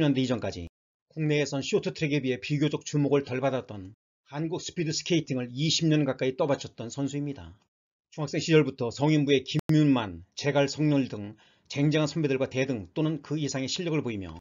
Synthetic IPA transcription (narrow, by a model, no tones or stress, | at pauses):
ɲʌndeid͡ʑʌnk͈ad͡ʑḭ | koŋne̞ːsʰʌnɕʰiotʰɯtʰɯɾeɡebie̞piɡjod͡ʑʌk̚t͡ɕ͈umoɡɯɭtʌɭbadat̚t͈ʌn | hanɡuk̚s͈ʰɯ̥pʰidɯs͈ʰɯ̥kʰeitʰiŋɯɭiɕʰimɲʌnkak͈ait͈ʌbat͡ɕʰʌt̚t͈ʌnsʰʌnsʰuimɲida̰ | t͡ɕuŋak̚s͈e̞ŋɕʰid͡ʑʌɭbutʰʌsʌŋimbue̞kimjunmant͡ɕe̞ɡaɭsʰʌŋɲʌɭdɯŋ | t͡ɕe̞ŋd͡ʑeŋɦansʰʌmbedɯɭɡwate̞dɯŋt͈onɯnkɯisʰaŋe̞ɕʰiʎːʌɡɯɭboimjʌ̰